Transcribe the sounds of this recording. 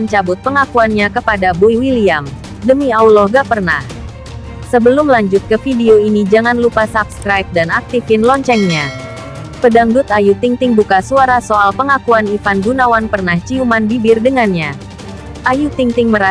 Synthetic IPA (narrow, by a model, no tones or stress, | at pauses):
ənt͡ʃabʊt̪̚pəŋakuanɲakəpadabuiwiliam | dəmiaulɔhɡapərna̰h | səbəlʊmlaɲd͡ʒʊt̪̚kəfideoinid͡ʒaŋanlupasapskɾajp̚danak̚t̪ifɪnlɔɲt͡ʃɛŋɲa | pədaŋdʊt̪ajut̪iŋt̪ɪŋbukasuaɾasoalpəŋakuanifanbunawanpərnaht͡ʃiumanbibɪrdəŋanɲa | ʔajut̪iŋt̪ɪŋməɾa